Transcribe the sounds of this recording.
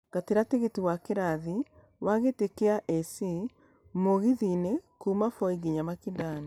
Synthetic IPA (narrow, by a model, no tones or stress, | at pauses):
ɡ̥ateɾateɣetiwakeɾaði | waɣetekeaʔɛsi | moɣiðinekumafɔiɡiɲamakindana